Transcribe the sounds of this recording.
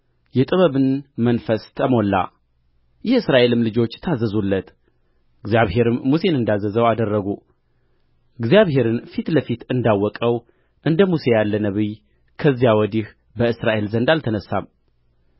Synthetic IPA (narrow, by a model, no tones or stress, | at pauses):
jɛt̪ʼɨβəβɨnmənfəst̪ʰəmo̞lːa̰ | jɛɨsɾaʔe̞lɨmlɨd͡ʒo̞t͡ʃːt̪ʰazːəzulːət̪ | ɨɡzijaβɦe̞ɾɨmːuse̞nɨnd̪azːəzəwad̪ərːəɡu | ɨɡzijaβhe̞ɾɨnfit̪ləfit̪ɨnd̪awːɔkʼəw | ʔɨnd̪əmuse̞jalːənəβɨj | kʰəzːijawɔd̪ih | bəɨsɾaʔe̞lzənd̪alt̪ʰənəsːa̰m